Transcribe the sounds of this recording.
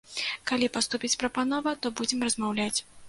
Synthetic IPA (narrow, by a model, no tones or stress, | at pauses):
kalʲipast̪upʲit͡sʲpɾɐpanɔvɐt̪ɔbud͡zʲɛmrɐzmawlʲat͡sʲ